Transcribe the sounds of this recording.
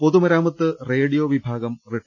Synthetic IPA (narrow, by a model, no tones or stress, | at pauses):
po̞ðumɐɾaːmɐt̪ːɨreːɽijoʋibʱaːɡɐmreʈː